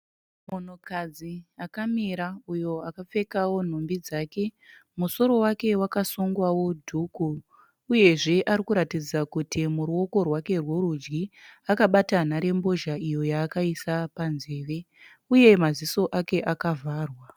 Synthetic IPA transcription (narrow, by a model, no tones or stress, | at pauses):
mon̤okad͡ziakamiɾaujo̞akap͡fe̞kawo̞n̤ombid͡zaːke̞muso̞ɾo̞wake̞wakasuŋɡwawo̞dʱukuː | je̞ʐe̞ʔaɾikuɾatid͡zakutimuɾuo̞ko̞rwake̞rworud͡ʒɡiakaɓatanaɾe̞mbo̞ʒaijo̞jaːkaisapanze̞ːʋe̞ | uje̞maziso̞ʔake̞ʔakavʱaːrwa